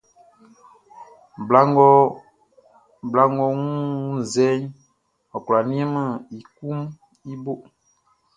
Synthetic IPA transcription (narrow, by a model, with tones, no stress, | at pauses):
ba˦ŋɡɔ˦ | bla˦ŋɡɔ˦ŋũ˦n̩˨zɛ˦ɲ | ɔ˨kla˨nĩ˦ɛ˦mə˦˨i˨ku˦m | i˦bo˦ʔ